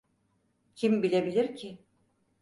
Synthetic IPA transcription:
cʰimbilʲe̞bilʲiɾcʰɪ

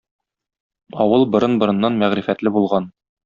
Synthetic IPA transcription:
ɒwɤlˠbŏɾɤnbŏɾɤ̆nːɑnmæʁɾifæt̪lɘbulˠʁɑn

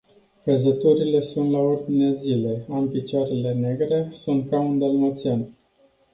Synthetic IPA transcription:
kəzət̪uɾile̞sunt̪laurd̪ineazile̞ampit͡ʃaɾe̞le̞ne̞ɡɾe̞sunt̪̚kaɨnd̪elmət̪sian

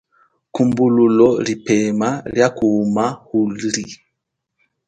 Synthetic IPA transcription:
kumbululɔlipɛmaljakuːmahuli

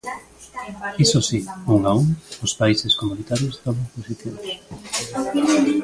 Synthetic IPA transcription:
isosiuŋauŋospaiseskomũnit̪aɾjost̪oβoŋposit̪iβs

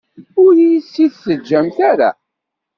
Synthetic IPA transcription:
ʊɾjisːiθsəd͡ʒːæmθaɾa̰

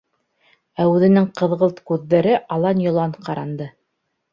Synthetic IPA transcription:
æʉðɘ̆nɘŋqɤ̆ðʁɤlˠt̪kʉðːæɾɘʔɑlˠɑnjŏlˠɑɴqʰɑɾɑnd̪ɤ

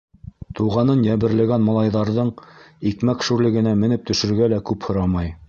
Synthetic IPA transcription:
t̪uʁɑnɤnjæβɘ̆ɾlɘ̆ɡænmɑlˠɑjðɑɾðɤɴikmækʃuɾlɘ̆ɡɘ̆næmɘ̆nɘp̚t̪ɵ̆ʃɘ̆ɾɡælækʉphŏɾɑmɑj

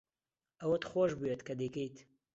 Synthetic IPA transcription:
ɐwɐt̪xoːʒbujet̪kɐd̪ekejt̪

